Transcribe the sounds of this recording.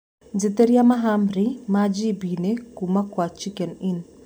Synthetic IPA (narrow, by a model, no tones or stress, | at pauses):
nd͡ʒɪt̪eɾjamaɦamɾimad͡ʒibinekumakwat͡ʃikɛnɪn